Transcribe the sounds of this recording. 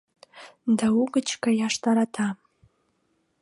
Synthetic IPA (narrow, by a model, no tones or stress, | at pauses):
dauɡət͡ʃʰkajaʂtʰaɾatʰa